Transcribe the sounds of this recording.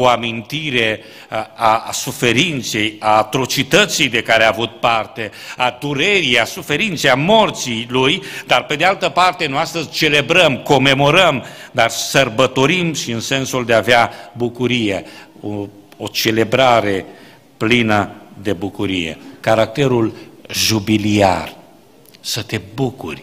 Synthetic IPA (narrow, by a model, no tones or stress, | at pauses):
oamint̪iɾe̞ | asufe̞ɾint̪se̞jaːt̪ɾo̞t͡ʃit̪ət̪sijd̪ekaɾeaːvut̪̚part̪e̞ | ad̪uɾeɾijasufe̞ɾint̪sejamo̞rt̪silujd̪arpe̞d̪ealt̪əpart̪e̞nuast̪əzʲt͡ʃe̞le̞bɾəmko̞me̞mo̞ɾəmd̪arsərbət̪o̞ɾimʃiɨnse̞nsuld̪e̞aveabukuɾije | oot͡ʃe̞le̞bɾaɾe̞ | plinəd̪e̞bukuɾijḛkaɾak̚t̪e̞ɾulʒubilia̰r | sət̪e̞bukṵrʲ